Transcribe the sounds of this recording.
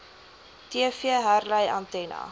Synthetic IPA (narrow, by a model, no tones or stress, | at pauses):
tiəfiəɦærləjantɛnɐ̰